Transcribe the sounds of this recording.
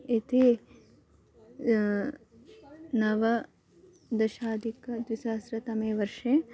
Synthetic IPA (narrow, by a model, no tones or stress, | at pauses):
it̪e | nɐʋɐ | d̪ɐʃaːd̪ʱikɐd̪ʋisɐːɐsɾɐt̪ɐmeːʋɐɾʃe